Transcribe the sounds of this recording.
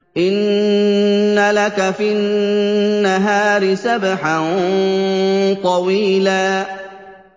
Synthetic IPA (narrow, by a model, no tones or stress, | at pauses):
ʔɪnː | alakafi | nːaɦaːɾɪsabħan | t̪ˤɑwiːlaː